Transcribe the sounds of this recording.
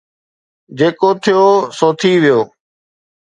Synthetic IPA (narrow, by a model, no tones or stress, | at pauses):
d͡ʒeːkoːt̪ʰɪjoːsoːt̪ʰiːʋɪjoː